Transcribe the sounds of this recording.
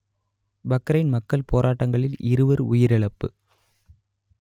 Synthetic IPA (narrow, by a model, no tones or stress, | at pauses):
bɐkːɾɐɪnmɐkːɐlpoːɾʔaːʈːɐŋɡɐɭɪlʔɪɾɯʋɐɾʊ̰jɪɾɛɭɐpːɯ